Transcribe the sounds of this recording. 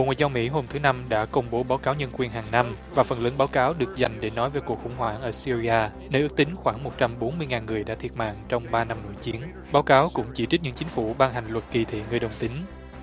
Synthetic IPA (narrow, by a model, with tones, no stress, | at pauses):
ɓo̰˨ŋwaː˨jzaː˧wmḭ˧˥ɦo˧mt̪ʰɨ˨˦na˧mɗa̰ː˧˥kə˧wŋ͡mɓo˨˦ɓaː˨˦wkaː˨˦wɲə˧nkwi˨˩ənɦaː˨˩ŋna˧mvaː˨˩fə˨˩nləː˨˦nɓaː˨˦wkaː˨˦wɗɨ˨˩ək̚za˨˩jŋ̟ɗe˧˩nɔ˨˦jvəː˨˦jku˨˩ək̚xʊ̰˧˩ŋ͡mɦwaː˧˩nʔəː˧˩si˧zi˧ʔaː˧ | nəː˧ʔɨ˦˥k̚t̪ï˨˦ŋ̟xwaː˧˩ŋmo˨˩t̚t͡ɕa˧mɓo˨˦nmɨ˧əjŋaː˨˩nŋɨ˨˩əjɗa̰ː˧˥t̪ʰi˧˩ət̚ma̰ː˧˨ŋt͡ɕɔ˧wŋ͡mɓaː˧na˧mno̰˧˥˨jt͡ɕi˨˦ən | ɓaː˨˦wkaː˨˦wkʊ̰˧˥ŋ͡mt͡ɕi˧˩t͡ɕi˦˥t̚ɲɨ̰˧˥ŋt͡ɕï˨˦ŋ̟fu˧˩ɓaː˧ŋɦa˨˩jŋ̟lwə˨˩t̚ki˨˩t̪ʰḭ˧˨ŋɨ˨˩əjɗə˨˩wŋ͡mt̪ï˨˦ŋ